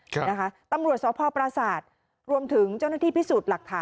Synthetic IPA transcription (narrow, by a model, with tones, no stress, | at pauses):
na˦˥kʰa˦˥t̪a˧mɾu˨˩ət̪̚sɔː˨˦pʰɔː˧pɾa˧saː˨˩t̪̚ | ɾu˧əmt̪ʰɯ˩˦ŋt͡ɕa˥˩wna˥˧t̪ʰiː˥˩pʰi˦˥suː˨˩t̪̚la˨˩k̚t̪ʰaː˨˦